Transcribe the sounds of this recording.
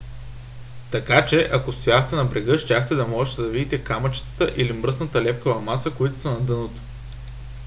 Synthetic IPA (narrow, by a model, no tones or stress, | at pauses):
t̪ɐkat͡ʃɛʔɐkost̪ojaxt̪ɛnɐbɾɛɡɤʃt̪ʲaxt̪ɛd̪ɐmɔʒɛt̪ɛd̪ɐvid̪it̪ɛkamɐt͡ʃt̪ə̥t̪əʔilimɾɤsnɐt̪əlɛp̚kəvɐmasəkoit̪ʊ̥sənɐd̪ɤnot̪o̥